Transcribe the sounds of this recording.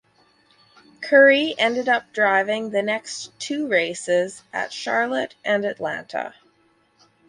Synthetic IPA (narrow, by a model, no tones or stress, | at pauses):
kʰɜ˞iʔɛ̃ndɨɾʌp̚d̥ɹaɪvɪ̃ŋðɨnɛkstʰʉɹeɪsɪzʔɨ̰tʃɑɹlˠəɾʔɨ̃nɨtˡlæ̰̃ntʰə̰